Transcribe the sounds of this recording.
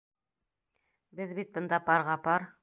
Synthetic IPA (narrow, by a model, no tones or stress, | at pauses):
bɘðbit̪̚bɤ̆nd̪ɑpɑɾʁɑpɑɾ